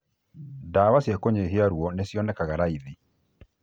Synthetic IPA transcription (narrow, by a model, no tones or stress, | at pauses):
daːwasjakoɲeɦeaɾwɔnesjɔnɛkaɣaɾaiði